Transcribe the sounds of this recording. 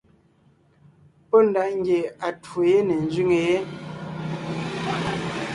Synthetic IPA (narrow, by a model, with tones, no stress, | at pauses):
pɔ˦n̩˨da˨ʔŋ̩˦ɡje˨a˨two˨je˦ne˨n̩˨zɥi˦ŋe˨je˦